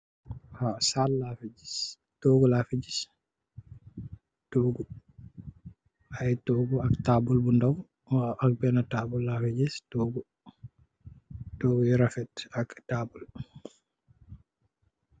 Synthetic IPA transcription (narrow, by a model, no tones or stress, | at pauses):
hasallafid͡ʒis | tɔɡɔlafid͡ʒis | tɔɡu | hajtɔɡɔaktabulbundaw | ʔak̚bɛnatabulːafid͡ʒistɔɡɔ | tɔɡɔiɾafɛtaktabul